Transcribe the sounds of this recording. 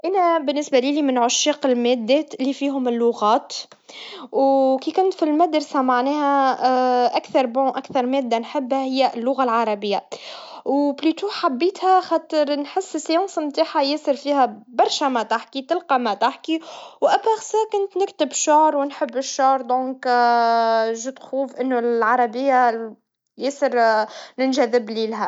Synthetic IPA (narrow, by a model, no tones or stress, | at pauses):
ʔænæbɪnːɪsbaliːlimɪnʕʊʃːiːqɪlmæːd̪ːɛːt̪ɪlːifiːɦʊmɪlːʊɣɑːt̪ | wkiːkʊnt̪filmæd̪ɾsamaʕnɛːhæ | ʔækθɑɾˤbʊ̃ʔækθɑɾˤmɛːd̪ːanħɪbːhæhɪjːælːʊɣalʕɑɾˤɑbɪjːawblyːt̪uħabːiːt̪hæxɑːt̪ɪɾnħɪsːɪsjɑ̃ːsɑmt̪aːħajɪsɨɾfiːhæbɑɾˤʃæmæt̪aħkit̪ɪlqɑmæt̪aħkiwʔæbæxsæːkʊnt̪nɪkt̪ɪbʃʊʕɾwnħɪbːɪʃːʊʕɾˤd̪ɔ̃ːk | ʒut̪xuːfʔɪnːuʕɑɾˤɑbɪjːa | jɪːsɪɾnɪnʒæðɪbliːlɦæ